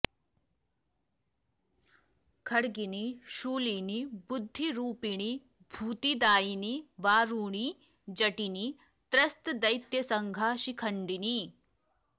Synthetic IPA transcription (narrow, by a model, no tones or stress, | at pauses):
kʰɐɽɡiniʃuːlinibʊd̪ʱːiɾuːpiɽ̃i | bʱuːt̪id̪aːiniʋaːɾuːɽ̃i | d͡ʒɐʈini | t̪ɾɐst̪d̪ɐjt̪jɐsɐŋɡʱaːʃikʰɐɳɖini